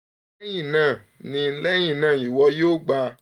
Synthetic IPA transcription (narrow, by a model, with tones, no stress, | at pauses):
jĩ˦˨nã˨ | nĩ˧˦lɛ˦j̃ĩ˦˨nãː˨i˨wɔ˧˦jo˦˨ɡ͡ba˧